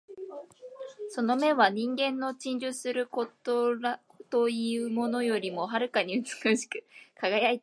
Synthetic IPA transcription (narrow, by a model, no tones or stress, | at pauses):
so̞no̞me̞βaɲ̟ĩŋɡẽ̞nːo̞t͡ɕĩɲ̟d͡ʑɨsɨɾɯ̟kot̪oa | t̪o̞iɯ̟mo̞no̞jo̞ɾʲimo̞ɦaɾɯ̟kaɲ̟iɯ̟t͡sɨ̥kɯɕi̥kɯ̟̥kʰaɡajait̪